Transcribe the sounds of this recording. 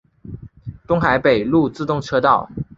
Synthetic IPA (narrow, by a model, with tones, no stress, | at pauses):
t̪ʊ˥ŋxa˧˦ɪpe˨˩ɪlu˥˨˧t͡sɹ̩˥˧t̪ʊ˥˨ŋʈ͡ʂʰɤ˥t̪ɑ˥˩ʊ